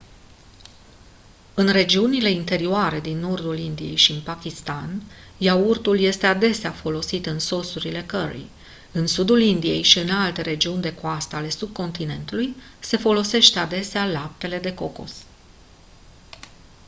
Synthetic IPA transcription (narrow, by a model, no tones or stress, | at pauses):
ɨnre̞d͡ʒiunile̞int̪e̞ɾioaɾe̞d̪inːo̞rd̪ulind̪ije̞̰jʃiɨnpakʲist̪anjaurt̪ulje̞st̪e̞ad̪e̞seafo̞lo̞sit̪ɨnso̞suɾile̞kəɾḭ | ɨnsud̪ulind̪ije̞̰jʃiɨnalt̪e̞ɾe̞d͡ʒiunʲd̪e̞koast̪əale̞sub̚ko̞nt̪ine̞nt̪ulujse̞fo̞lo̞se̞ʃt̪ead̪e̞sealap̚t̪e̞le̞d̪e̞ko̞ko̞̰s